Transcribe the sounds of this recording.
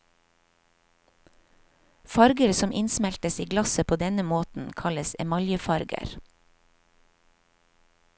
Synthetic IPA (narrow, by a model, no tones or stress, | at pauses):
fɑɾɡəɾsɔmʔɪnsmɛlt̪əsiːɡlɑsəpʰoːd̪ɛnəmoːt̪n̩kʰɑləsɛ̰mɑljəfɑɾɡə̰ɾ